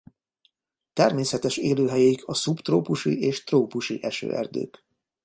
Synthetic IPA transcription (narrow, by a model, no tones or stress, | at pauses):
t̪ɛrmeːsɛt̪ɛʃeːløːɦɛjɛikʰɒsupt̪roːpuʃḭʔeːʃt̪roːpuʃiʔɛʃø̰ːɛ̰rd̪ø̰ːk